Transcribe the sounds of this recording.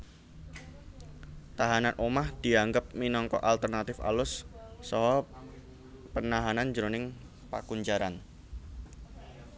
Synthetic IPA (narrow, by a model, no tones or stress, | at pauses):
t̪aɦananʔomahd̪̥i̤aŋɡəp̚minɔŋkɔ̰ʔalt̪ərnat̪ɪfa̰lʊsːɔɦɔ | pənaɦanand͡ʒəɾonɪŋ | pa̰kuɲd͡ʒaɾan